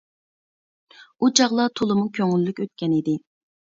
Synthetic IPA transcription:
ut͡ʃʰɑʁlˠɑt̪ʰolˠɨmukʲʰøŋylːykʲøt̪̚kʲɛnid̪ɪ

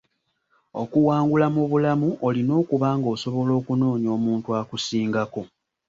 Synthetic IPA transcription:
o̞̰kuwaːŋɡulamuβulamuʔolino̞ːkuβaŋɡo̞ːso̞βo̞lo̞ːkuno̞ːɲo̞ːmuːntuakusiːŋɡako̞

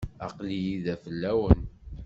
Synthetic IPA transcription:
ɑ̰qlijiðæfəlːæwən

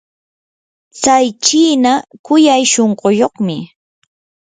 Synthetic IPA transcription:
t͡sajt͡ʃiːnakʊjajʃoɴɢojoχmɪ

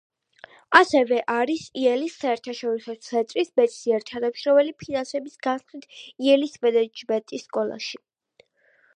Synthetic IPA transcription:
asɛvɛʔaɾisiɛlisːaɛɾt̪ʰaʃɔɾisɔt̪sʰɛnt̪ʼɾisbɛt̪siɛɾt̪ʰanamʃɾɔvɛlipʰinansɛbisɡ̥ansχit̪ʰiɛlisbɛd̪ɛd͡ʒbɛt̪ʼisːkʼɔlˠa̰ʃi

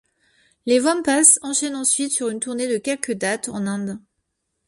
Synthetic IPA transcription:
levɔmpasɑ̃ʃɛnɑ̃sɥit̪syʁynt̪uʁned̪əkʲɛlkəd̪at̪ɑ̰̃nɛ̃d̪

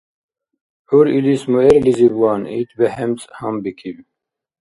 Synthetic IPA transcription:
uɾilismueɾlizibwaːnḭt̪beɦemt͡shɐmbikʰib

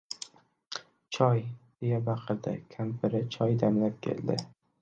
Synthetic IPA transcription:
t͡ʃʰɒjd̪̥e̞jabɑqʰɨɾd̪ɪ̰kʲʰampʰɪɾɪt͡ʃʰɒjd̪amlap̚kʲʰḛld̪ɪ̰

